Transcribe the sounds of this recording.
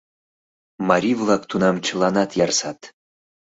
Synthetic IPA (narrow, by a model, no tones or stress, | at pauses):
mɑɾʲivlˠɑkt̪unɑmt͡ɕə̆lˠɑnɑt̪jɑrsɑt̪